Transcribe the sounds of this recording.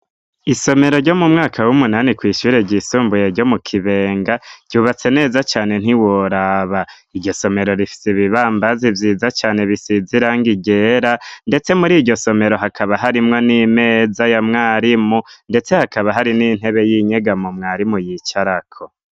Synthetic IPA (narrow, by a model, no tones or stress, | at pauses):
iso̞me̞ɾo̞ɾɟo̞mumŋaːkawumunanikwiːʃuːɾe̞ɟisuːmbujeɾɟo̞mukʰiβe̞ːŋɡaɾɟuːβat͡se̞ne̞ːzat͡ʃaːne̞n̥iwoɾaβa | iɾɟo̞so̞me̞ɾo̞ɾifi̥siβiβaːmbazivjiːzat͡ʃaːne̞βisiziɾaŋɡiɡe̞ɾande̞t͡se̞muɾiːɟo̞so̞me̞ɾo̞ɦakʰaβaɦaɾimŋo̞nime̞ːzajamŋaːɾimunde̞t͡se̞hakaβaɦaɾinin̥he̞βe̞jiːɲe̞ɡamumŋaːɾimujit͡ʃaɾakʰo